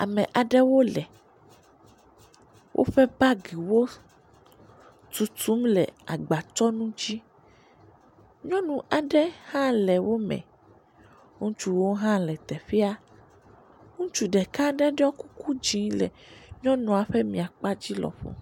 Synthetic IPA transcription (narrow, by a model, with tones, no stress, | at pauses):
a̰˨mɛ̃˨ʔa˨ɖɛ˦wo˦lɛ˨ | wʔo̰˦ɸɛ˦ba˦ɡi˨wo˦ | t̪u˨t̪u˨˦mlɛ̰˨a˨ɡ͡ba˨t͡ʃɔ˦nũ˦d͡ʑi˦ | ɲɔ̃˦nũ˨ʔa˨ɖɛ˦hã˦lɛ˨wʔo˦mɛ̰̃˨ | ŋũ˦t͡ʃu˨wo˦ɦã˦lɛ˨t̪ɛ˨fi˦a˦ | ŋũ˦t͡ʃu˨ɖɛ˨ka˦ɖɛ˦ɖɛ˦ɔ˦ku˦ku˦d͡ʒĩ˨˦lɛ̰˨ɲɔ̃˦nũ˨a˨ɸɛ˦mĩ˨a˨k͡pa˦d͡ʑi˦lɔ̰˨ɸo̰˨